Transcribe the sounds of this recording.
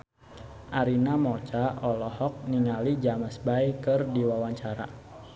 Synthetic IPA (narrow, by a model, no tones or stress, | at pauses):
ʔaɾinamɔt͡ʃaʔɔlɔhɔk̚niŋalid͡ʒaməsbaikɨrdiwawaɲt͡ʃaɾa̰